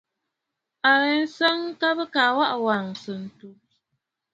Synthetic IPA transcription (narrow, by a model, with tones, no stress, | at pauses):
a˨jɛ˦n̩˦sa˦ŋ˦ka˦bɨ˦kaː˨wa˦ʔwa˨ŋsɨ˨n̩˨tu˦